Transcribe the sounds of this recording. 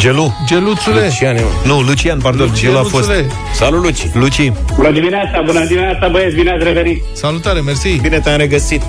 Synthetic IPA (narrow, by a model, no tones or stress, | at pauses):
d͡ʒelud͡ʒelusuleʃianinulut͡ʃijanpaɾd̪onelafosle | salulut͡ʃi̥lut͡ʃibunəd̪iminat̪sabunəd̪iminʲasabəesbinasɾeveɾit̪salut̪aɾemeɾsibinet̪aɾeɡəsit̪